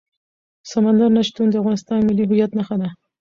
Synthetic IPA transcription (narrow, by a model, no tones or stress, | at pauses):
samand̪aɾnaʃt̪und̪əafɣɑnɪst̪ɑnmɪlːiɦʊjat̪naxad̪a